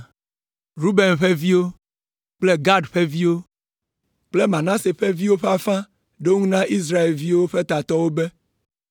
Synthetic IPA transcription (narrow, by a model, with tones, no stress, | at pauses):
ɾu˦be˨nɸe˦vi˦wo˦ | k͡ple˦ɡa˦ɖɸe˦vi˦wo˦ | k͡ple˦mã˨nã˦se˨ɸe˦vi˦wo˦ɸa˦fã˦ | ɖo˦ŋũ˦nã˦ʔi˦s̬ɾa˦e˨lvi˦wo˦ɸe˦t̪a˨t̪ɔ˦wo˦be˦